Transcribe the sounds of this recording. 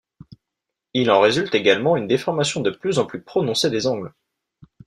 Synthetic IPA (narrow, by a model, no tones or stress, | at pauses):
ilɑ̃ʁezylt̪eɡalmɑ̃ynd̪efɔʁmasjɔ̃d̪əplyzɑ̃plypχɔnɔ̃sed̪ezɑ̃ɡl